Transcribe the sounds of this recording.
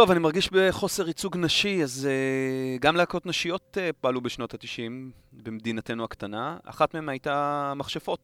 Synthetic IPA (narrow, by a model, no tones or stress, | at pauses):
to̞vanimaʁɡiʃbe̞χo̞se̞ʁit͡suɡnaʃiazeɡamleako̞tnaʃijo̞tepoalubeʃno̞that̪iʃim | bemd̪inate̞nuakt̪anaa̰χatmehemajtamaχʃefo̞t̚